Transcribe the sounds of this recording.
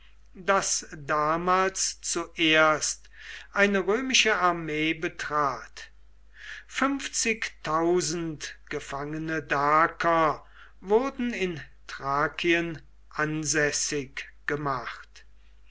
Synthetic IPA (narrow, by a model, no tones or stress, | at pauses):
dasdaːmaːlst͡suʔeɐst | ʔaɪnəʁøːmɪʃəaɐmeːbətʁ̥aːt | fʏmft͡sɪktʰaʊzn̩tɡ̥əfaŋənədaːkʰɐ | vʊɐdn̩ɪntʁ̥aːkʰiən | ʔanzɛsɪk | ɡ̥əmaχt